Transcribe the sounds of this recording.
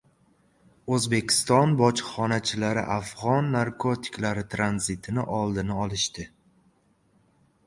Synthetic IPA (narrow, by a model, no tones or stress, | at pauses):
ɵzbe̞kʲʰɪ̥st̪ɒnbɒt͡ʃχɒnat͡ʃʰɪlaɾɪ̰ʔafʁɒnːaɾkʰot̪ʰɪ̥klaɾɪt̪ʰɾanzɪt̪ʰɪnɪʔɒlˠd̪ɪnɪɒlˠɪʃt̪ɪ